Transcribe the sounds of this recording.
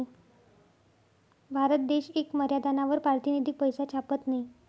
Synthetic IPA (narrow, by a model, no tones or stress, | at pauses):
bʱaɾət̪̚d̪eɕekməɾjad̪ʱanaʋəɾpaɾt̪ined̪ʱik̚pəjsat͡ɕʰapət̪nai